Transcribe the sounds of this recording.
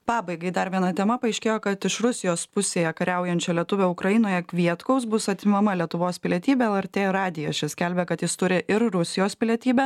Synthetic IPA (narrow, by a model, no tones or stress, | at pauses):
pɑːbɐɪɡɐɪd̪ɐɾʋʲiɛnɐt̪ʲɛmɐpɐɐɪʃʲkʲeːjoːkɐt̪ɪʃɾʊsʲɪjoːspʊsʲeːjɛkɐɾʲɛʊjɛnʲt͡ʃʲɛlʲiɛt̪ʊʋʲɛʊkɾɐjɪnoːjɛkʲʋʲiɛt̪kɐʊsbʊsɐt̪ʲɪmɐmɐlʲiɛt̪ʊʋoːspʲɪlʲiɛt̪ʲiːbʲɛɛlˠɛɾʲt̪ʲeːɾɑːd̪ʲɪjɛʃʲɛsʲkʲɛlʲbʲɛkɐt̪jɪst̪ʊɾʲɪʔɪɾɾʊsʲɪjoːspʲɪlʲiɛt̪ʲiːbʲɛ